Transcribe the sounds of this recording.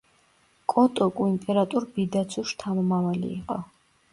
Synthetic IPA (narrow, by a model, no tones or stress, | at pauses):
kʼɔt̪ʼɔkʼuimpʼɛɾat̪ʼuɾbid̪at̪sʰuʃt̪ʰamɔmavalḭːqʼɔ̰